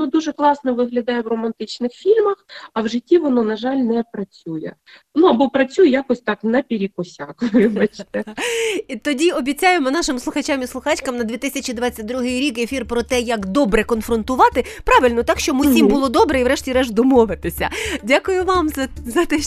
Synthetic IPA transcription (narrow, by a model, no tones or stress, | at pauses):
nɔd̪uʒɛklˠɑsnɔʋɪɦlʲɐd̪ɑjɛʋrɔmɐnt̪ɪt͡ʃnɪxfʲilʲmɐxɐwʒɪtʲːiʋɔnɔnɐʒɑlʲnɛpɾɐt͡sʲujɛ̰ | nuɐbɔpɾɐt͡sʲujɛjakɔsʲt̪ɑknɐpʲiɾʲikʊsʲakʋʋɪbɐt͡ʃt̪ɛit̪ɔdʲiɔbʲit͡sʲajemɔnɑʃɪmslˠʊxɐt͡ʃamislˠʊxɑt͡ʃʲkɐmnɐd̪ʲʋʲit̪ɪsʲɐt͡ʃid̪ʋɑt͡sʲːɐt̚ʲd̪ɾuɦɪjɾʲikefʲirpɾɔt̪ɛjɐkd̪ɔbɾɛkɔnfɾɔnt̪ʊʋɑt̪ɪpɾɑʋɪlʲnɔt̪ɑkʃt͡ʃɔmʊsʲimbʊlˠɔd̪ɔbɾɛiʋɾɛʃtʲiɾɛʒd̪ɔmɔʋɪt̪ɪsʲɐ̰dʲakʊjʊʋɑmzɐzɐt̪ɛ